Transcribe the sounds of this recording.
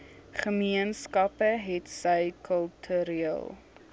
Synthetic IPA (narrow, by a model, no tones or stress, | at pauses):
χəmiənskɐpəɦɛtsəjkʰəlˠtʰyɾiiəlˠ